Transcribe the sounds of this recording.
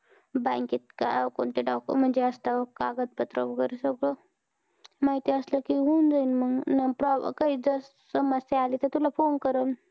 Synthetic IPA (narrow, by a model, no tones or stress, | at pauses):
bãkit̪ka̰ko̰ɳt̪iɖɔkə̰m̤əɳd͡ʑeəst̪akaɡət̪̚pət̪ɾo̰bkəɾesəɡɭo | maɦit̪iəsləkiɦund͡zainməɡnapɾɔ̰kaɦiːd͡zəs | səməsjaaliːt̪ət̪ulafonkəɾən